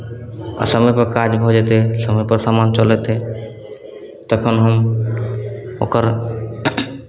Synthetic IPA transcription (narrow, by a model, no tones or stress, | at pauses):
a̰səmepɔɾkad͡ʒbʱɔd͡ʒet̪esəmepəɾsamant͡ʃɔlet̪e | t̪ɔkʰonɦəm | o̰kəɾ